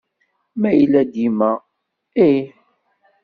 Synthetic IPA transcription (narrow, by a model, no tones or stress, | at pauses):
mæjəlːæd̪imæ | i